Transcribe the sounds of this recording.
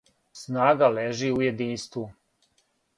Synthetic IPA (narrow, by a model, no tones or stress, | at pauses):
snaːɡaleːʒiujed̪iːnst̪ʋu